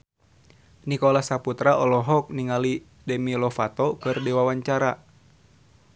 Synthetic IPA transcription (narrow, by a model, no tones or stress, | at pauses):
nikɔlahsaput̪ɾaʔɔlɔɦɔk̚niŋali | dɛmilɔfat̪ɔkɨrdɛwawaɲt͡ʃaɾa